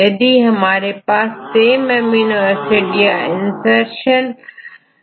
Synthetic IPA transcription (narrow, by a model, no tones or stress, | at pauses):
ɐd̪iːɦəmaːɾepaːst̪eːmemjuːniʋəɾsiʈijaɪnseɾʃən